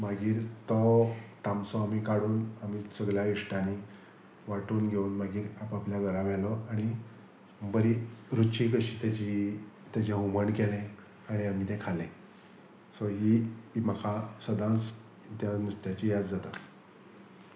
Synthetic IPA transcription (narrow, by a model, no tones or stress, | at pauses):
maɡiːɾt̪ɔt̪ãmsɔamiːkaɽuːnamisəɡljaiʂʈani | ʋaʈuːnɡʱeuːnmaɡiːɾapapljaɡʱəɾãʋɛlɔaɽ̃i | bəɾiɾut͡ɕikəɕit̪jat͡ɕit̪jat͡ɕẽɦuməɳkelɛ̃ | aɽ̃iam̤it̪ɛ̃kʰalɛ̃ | sɔɦiməkʰasəd̪ãt͡s | t̪janust̪jat͡ɕijad̪d͡zat̪a